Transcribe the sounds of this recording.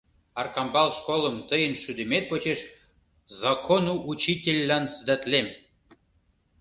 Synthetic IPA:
ɑrkɑmbɑlˠʃkoləmt̪əjənʃyd̪ə̆met̪̚pot͡ɕeʃ | zɑkonuʔut͡ɕitʲelʲːɑnt͡səd̪ət̪lʲem

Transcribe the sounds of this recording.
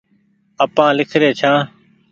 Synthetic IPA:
əpãːlɪkʰɾeːt͡ʃʰãː

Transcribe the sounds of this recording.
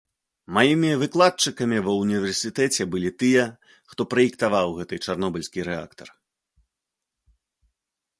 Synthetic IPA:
majimʲivɨklˠat̪̚t͡ʂɨkɐmʲivɐunʲivʲɛrsʲɨt̪ɛt͡sʲɛbɨlʲit̪ɨjɛ | xt̪ɔpɾɐikt̪avawɣɛt̪ɨt͡ʂarnɔbɐlʲsʲkʲiɾɛa̰kt̪ɐ̰r

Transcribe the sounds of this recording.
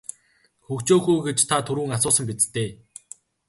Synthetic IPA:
xɵkt͡ɕoːxujɡet͡ɕt̪ʰat̪ʰɵɾuːŋasʊːsə̆mp̬ʲit͡s̪t̪ːeː

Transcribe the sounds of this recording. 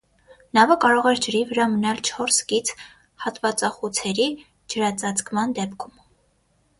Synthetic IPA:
nɑvəkɑɾɔʁɛɾd͡ʒəɾivəɾɑmənɑlt͡ʃʰɔɾskit͡sʰ | hɑt̪vɑt͡sɑχut͡sʰɛɾi | d͡ʒəɾɑt͡sɑt͡skmɑnd̪ɛpkʰum

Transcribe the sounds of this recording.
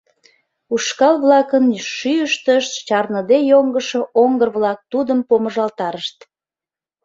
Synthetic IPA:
uʃkɑlβlɑkənʃyəʃt̪əʃt̪t͡ɕɑrnəd̪ejoŋɡəʃoʔoŋɡərβlɑk̚t̪ud̪əmpoməʒɑlt̪ɑɾəʃt̪̚

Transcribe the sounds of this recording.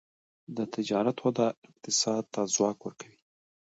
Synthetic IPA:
d̪ət̪ɪd͡ʒɑɾat̪wad̪ɑɪq̚t̪ɪsɑd̪̚t̪azwɑkwəɾkawi

